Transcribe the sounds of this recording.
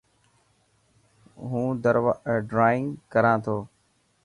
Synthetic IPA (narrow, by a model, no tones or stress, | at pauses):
ɦũːd̪əɾʋaɖɾaːɪ̃ŋɡkəɾãːt̪ʰoː